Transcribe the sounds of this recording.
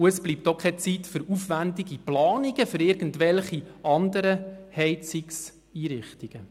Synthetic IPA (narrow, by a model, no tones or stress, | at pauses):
uəsb̥liːp̚tokʰɛt͡sitfʏɾufʋændɪɡiplɑːniɡəfɵɾɪɾɡən̩tʋɛlχiɑndəɾəhɛɪt͡siks | iːɾɪχtiɡ̥ə